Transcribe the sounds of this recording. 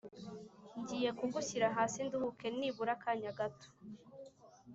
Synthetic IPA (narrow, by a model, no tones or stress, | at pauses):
ɲɟiːje̞kuɡuçiɾaɦaːsinduhuke̞niβuɾakaːɲaɡato̥